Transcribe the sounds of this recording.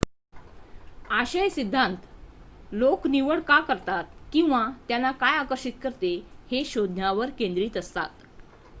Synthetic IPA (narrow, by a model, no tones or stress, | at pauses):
aɕəjsid̪ʱːãnt̪lokniʋəɭkakəɾt̪at̪̚kĩw̃ʋat̪janːakajakəɾɕit̪kəɾt̪eheɕod̪ʱnaʋəɾkend̪ɾiːt̪əst̪a̰t̪